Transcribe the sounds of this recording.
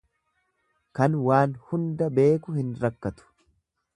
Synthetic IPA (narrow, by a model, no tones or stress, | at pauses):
kɐnwaːnhʊnd̪ɐbe̞ːkʊhɪnɾɐkːɐt̪ʊ̥